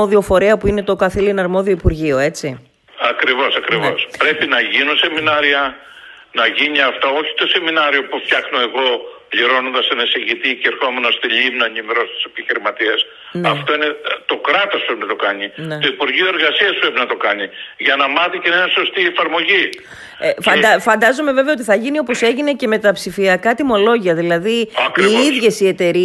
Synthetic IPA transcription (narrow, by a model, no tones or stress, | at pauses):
oðio̞fo̞ɾiɐpuine̞t̪o̞kɐθilinɐɾmo̞ðio̞ipuɾʝio̞e̞t͡si | ɐkɾivo̞sɐkɾivo̞spɾe̞pinɐʝinuse̞minɐɾiɐ | nɐʝiɲiɐft̪oo̞çi̥t̪o̞se̞minɐɾio̞puft̪çɐxnoe̞ɣo̞pliɾo̞nond̪ɐst̪ɐnisiʝit̪iceeɾxo̞me̞nost̪iʎimnɐːɲimeɾo̞st̪i̥se̞̥piçiɾimɐt̪ies | nɐft̪o̞inet̪o̞kɾɐt̪ɐspepinɐt̪o̞kɐɲint̪o̞ipuɾʝioe̞ɾɣɐsiɐspɾepinɐt̪okɐɲiʝɐnɐmɐθiceninɐso̞st̪iefɐɾmo̞ʝi | efɐnd̪ɐfɐnd̪ɐzo̞me̞ve̞veɐo̞t̪iθɐʝinio̞po̞se̞ʝine̞ce̞me̞t̪ɐpsifiɐkɐt̪imo̞lo̞ʝiɐðilɐðiɐkiiðʝe̞sie̞t̪e̞ɾi